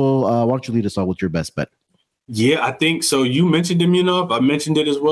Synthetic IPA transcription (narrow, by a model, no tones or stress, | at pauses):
lˠʌwɑ̃nt͡ʃəlˠiɾɨsɔwəðjə˞bɛst̚b̥ɛ̰t̚ | jæaɪθɪ̃ŋksoʊjɨmɛ̃nʃɨ̃ndɨ̃miɨnʌfaɪmɛ̃nʃɨ̃n̩dɨɾɨzwɛ